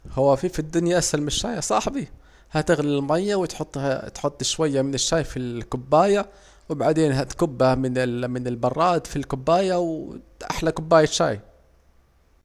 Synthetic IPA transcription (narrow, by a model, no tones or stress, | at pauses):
hʊwːafifid̪ːʊnjaʔashalmɪʃːaːjasˤɑħbi | hæt̪ɪɣlɪlmajːawt̪ħʊt̪ˤːt̪ħot̪ˤːʃwajːamɪnɪʃːaːjfilkʊbːaːja | wbaʕd̪eːnɦæt̪kʊbːahmɪnmɪnɪlbɑrˤːɑːd̪filkʊbːaːjawʔa̰ħlakʊbːaːjaʃa̰ːj